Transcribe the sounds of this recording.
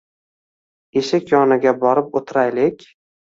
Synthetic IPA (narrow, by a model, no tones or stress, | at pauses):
eʃakʲjɒnɪɡʲabɒɾɪp̚ot̪ʰɾajlɪkʲ